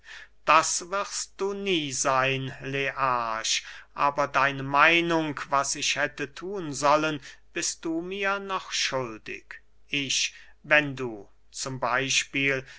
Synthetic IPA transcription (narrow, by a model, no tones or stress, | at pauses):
d̥asvɪʁst̚d̥uːniːzaɪnleʔaːʃʔaːbɐdaɪnəmaɪnʊŋkvasɪʃhɛtətʰuːənzɔlənb̥ɪst̚d̥uːmiːɐnɔχʃʊldɪ̰k | ʔɪʃvɛnduː | t͡sʊmbaɪʃpiːl